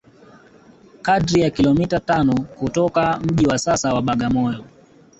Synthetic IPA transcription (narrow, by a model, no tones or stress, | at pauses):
kadɾijakilɔmitatanɔkutɔkam̩ʄiwasasawaɓaɠamɔjɔ